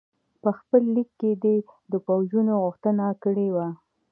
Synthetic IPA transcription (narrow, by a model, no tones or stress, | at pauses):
pəxpəlːikːed̪ed̪əpawʒunoɣʊxt̪ənakəɽewa